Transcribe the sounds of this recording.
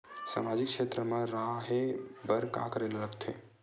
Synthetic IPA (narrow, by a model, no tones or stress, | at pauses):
sa̰mad͡ʒikʃet̪ɾəmə̃ɾaɦebəɾka̰kɾelləɡt̪ʰe